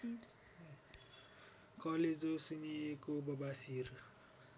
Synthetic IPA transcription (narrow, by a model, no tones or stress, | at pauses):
kʌled͡zosuniekobʌbasiɾu